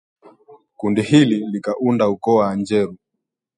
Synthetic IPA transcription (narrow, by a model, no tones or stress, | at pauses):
kundihililikaʔundaukɔwaːnd͡ʒɛɾu